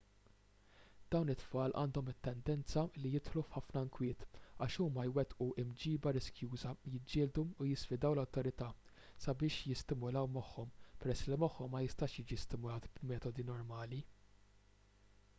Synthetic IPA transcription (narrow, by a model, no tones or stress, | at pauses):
d̪̥ɐwnɪt̪ːfɐːlʔɐ̰ːnd̪ɔmɪt̪ːɛnd̪ɛnt͡sɐlːijɪt̪ħlufħɐfnɐɪŋkwɪːt̪ɐːʃuːmɐjwɛt̪ʔuʔɪmd͡ʒiːbɐɾɪskjuːzɐjɪd͡ʒːɪːld̪uʊjɪsfɪd̪ɐwlɐwt̪ɔɾɪt̪ɐ | sɐbɪːʃjɪst̪ɪmʊlɐwmɔħːɔmpɛɾɛsːlimɔħːɔmːɐjɪst̪ɐːʃjiːd͡ʒist̪ɪmʊlɐːt̪bmɛːt̪ɔd̪inɔɾmɐːli